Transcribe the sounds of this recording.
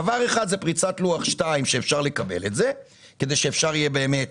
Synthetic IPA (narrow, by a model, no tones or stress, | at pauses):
avaʁe̞χad̪zepʁit͡satluaχʃtaimʃeːfʃaʁle̞kabe̞̰letze̞ | ke̞d̪e̞jʃeːfʃaʁijebe̞ːme̞t